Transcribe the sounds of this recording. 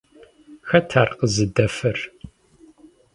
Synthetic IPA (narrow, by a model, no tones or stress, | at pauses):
xɐtʰaːrqəzɨdɐfɨr